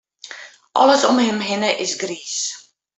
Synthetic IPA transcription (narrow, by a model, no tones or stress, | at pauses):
ʔɔ̰ləsɔmhɪmɦɪnəʔɪsɡriːs